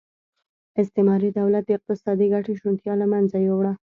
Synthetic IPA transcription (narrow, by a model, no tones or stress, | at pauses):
ɪst̪emɑɾid̪awlat̪̚d̪əɪq̚t̪ɪsɑd̪iɡaʈeʃunt̪jɑlamanzajowɽa